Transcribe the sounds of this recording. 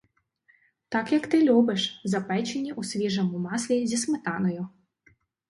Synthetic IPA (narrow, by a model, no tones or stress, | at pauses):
t̪akjɐkt̪ɪlʲubɛʂzɐpɛt͡ʃenʲːiʔusʲʋʲiʐɔmʊmaslʲizʲismɪt̪ɑnɔjʊ